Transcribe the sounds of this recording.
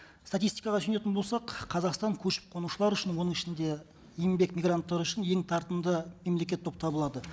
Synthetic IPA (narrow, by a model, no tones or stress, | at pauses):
st̪at̪ijst̪ijkɑʁɑsyne̞t̪ɪnbo̞lˠsɑqʰɑzɑqst̪ɑŋkʲʰɵʃɪ̥p̚qʰo̞nuʃəlˠɑɾʏʃɪnwo̞nəŋɪʃɪnd̪e̞ | ijmbe̞kmʲijɡrant̪ːɑɾəʏʃɪnje̞ŋt̪ʰɑɾt̪ənd̪əme̞mle̞kʲe̞t̪ʰːo̞p̚t̪ʰɑbəlˠɑd̪ə